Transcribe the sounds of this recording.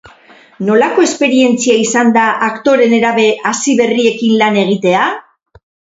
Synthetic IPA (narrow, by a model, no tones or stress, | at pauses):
no̞lako̞e̞spe̞ɾie̞nt͡siaisand̪aʔakt̪o̞ɾe̞ne̞ɾaβe̞ʔasiβe̞rie̞kinlane̞ɣ̞it̪e̞a